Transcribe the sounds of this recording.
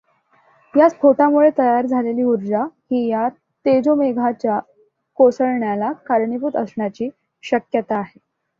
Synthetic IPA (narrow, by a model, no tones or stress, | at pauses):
jat͡spʰoʈamuɭet̪əjaɾd͡zʱaleliːuɾd͡ʑahiːja | t̪ed͡zomeɡʱat͡ɕja | kosəɭɳjalakaɾɳiput̪əsɳjat͡ɕiː | ɕəkjət̪aːɦe